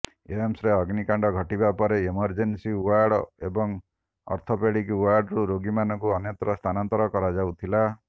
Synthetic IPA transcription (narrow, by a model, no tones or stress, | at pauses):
eemsɾeɔɡnikaɳɖɔɡʱɔʈibapɔɾeemɔɾd͡ʒensiuwaɾɽɔebɔŋ | ɔ̰ɾt̪ʰopeɽikuwaɾɽɾuɾoɡimanɔŋkuɔnjɔt̪ɾɔst̪ʰanant̪ɔɾɔkɔɾad͡ʒawt̪ʰila